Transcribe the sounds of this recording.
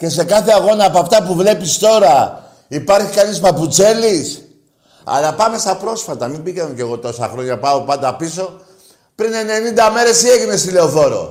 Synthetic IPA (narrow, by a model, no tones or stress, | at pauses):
ce̞s̬e̞kɐθeɐɣo̞nɐːpoɐft̪ɐpuvle̞pist̪o̞ɾɐ | ipɐɾçikɐnispɐput͡se̞lis | ɐ̰lɐpɐme̞st̪ɐpɾo̞sfɐt̪ɐmimbikɐnoce̞ɣo̞t̪o̞sɐ̰xɾo̞ɲɐpɐo̞pɐnd̪ɐpiso̞ | pɾine̞ne̞nind̪ɐme̞ɾe̞sie̞ʝinest̪ileoθo̞ɾo̞̰